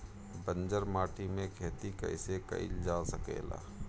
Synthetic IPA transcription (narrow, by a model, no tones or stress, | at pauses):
bə̃nd͡ʒəɾmaːʈʰimẽkʰeːt̪ikɐ̰ɪsekɐ̰ḭld͡ʒaːsəkḛːla̰ː